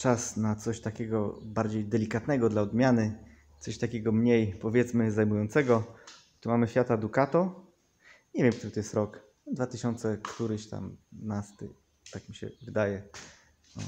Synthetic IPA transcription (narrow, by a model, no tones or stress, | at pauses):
t͡ʂasnat̪sɔɕt̪akʲɛɡɔbaɾd͡ʑejd̪ɛlʲikat̪nɛɡɔd̪laɔd̪mʲjanɘ | t̪sɔɕt̪akʲɛɡɔmɲejpɔvʲjɛt̪smɘzajmujɔnt̪sɛɡɔ | t̪umamɘɕfʲjat̪ad̪ukat̪ɔ | ɲɛvʲjɛmk̚t̪uɾɘt̪ɔjɛst̪ɾɔk | d̪vat̪ɘɕɔnt̪sɛkt̪uɾɘɕt̪a̰mnast̪ɘ̰ | t̪akmʲiɕɛ̰vɘd̪ajɛ | nɔ̰